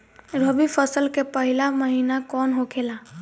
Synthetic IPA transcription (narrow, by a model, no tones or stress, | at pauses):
ɾəbifʰəsəlkepəɦɪlaməɦiːnakɔːnɦokʰela